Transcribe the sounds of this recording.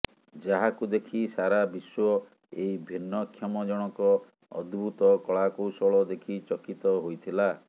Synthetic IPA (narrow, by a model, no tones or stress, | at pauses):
d͡ʒaɦakud̪ekʰisaɾabiswɔ | eibʱinːɔkʰjɔmɔd͡ʒɔɽ̃ɔkɔ | ɔ̰d̪bʱut̪ɔkɔɭakowsɔɭɔd̪ekʰit͡ʃɔkit̪ɔɦojt̪ʰila